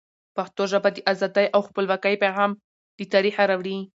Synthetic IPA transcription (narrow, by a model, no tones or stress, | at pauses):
paxt̪oʒabad̪əʔazɑd̪ajʔawxpəlwakajpaɣɑm | d̪̥ət̪ɑɾixaɾawɽi